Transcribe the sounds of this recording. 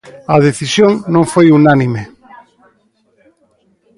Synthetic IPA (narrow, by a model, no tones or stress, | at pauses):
ɐðeθisjoŋnõŋfojunanime